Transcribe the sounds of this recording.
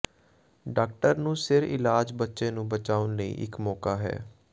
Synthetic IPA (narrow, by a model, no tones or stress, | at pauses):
ɖaːk̚ʈəɾnũːsɪɾɪ̰laːd͡ʒbətːʃẽːnũːbət͡ʃaːʊnləḭːʔɪ̰kmɔːkaːɦɛ̰ː